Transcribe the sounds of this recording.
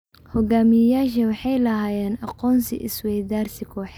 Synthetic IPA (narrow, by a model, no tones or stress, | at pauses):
hɔɡaːmɪjɐjaːʃɐwɑħɑjlɐɦaːjɛːnɑqɔːnsɪ̰ʔɪ̰swɛjd̪aːrsɪkʰɔːħɛ